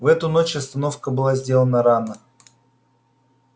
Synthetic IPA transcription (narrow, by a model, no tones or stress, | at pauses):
vɛt̪ʊno̞t͡ɕɐst̪ɐno̞fkəbɨlˠazʲdʲe̞lˠənəɾanə